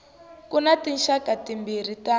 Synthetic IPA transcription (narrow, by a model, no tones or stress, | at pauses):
kunatinʃakatimbir̤ita